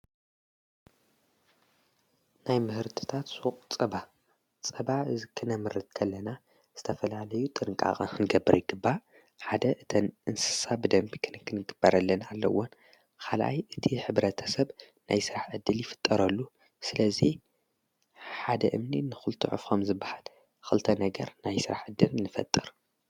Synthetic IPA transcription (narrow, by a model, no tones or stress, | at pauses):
najmɨhɨɾt̪ʰɨ̥t̪ʰat̪soqʼt͡sʼɐba | t͡sʼɐbaɨzikʰɨnɐmɨɾɐt̪kʰɐlːɐna | z̥ɨt̪ʰɐfɐlalɐjut̪ʼɨɾŋkʼa̰kʼɐxɨnɨɡɐbːɨɾjɪɡɨbːa | ħad̪ɐʔɨt̪ʰɐnʔɨnsɨ̥sabɨd̪ɐmbikʰɨnkʰɨnɨɡɨb̥ːɐɾɐlːɐnalːɐ̰won | kʰalʔa̰jʔɨt̪ʰiħɨβɾɐt̪ʰɐ̥sɐβ | na̰jsɨɾaħʕɨd̪ːɨljɪfɨ̥t̪ʼːɐɾɐlːu | sɨlɐzi | ħad̪ɐʔɨmninɨxɨlt̪ʰuʕṵfkomzɨbːahal | xɨlt̪ʰɐnɐɡɐɾnajsɨɾaħʕɨd̪ːɨlnɨfɐ̰t̪ʼːɨɾ